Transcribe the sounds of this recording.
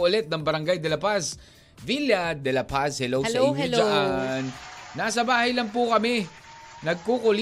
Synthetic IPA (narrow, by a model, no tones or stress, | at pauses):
ʔʊlɛt̪̚nɐŋbɐɾɐŋɡajd̪ɛlɐpas | viljɐd̪ɛlɐpashɛlowsɐʔɪɲːoɐʔanːaːsɐbaːhɐjlɐŋp̬ʊkɐmɛ | nɐɡ̚kukʊl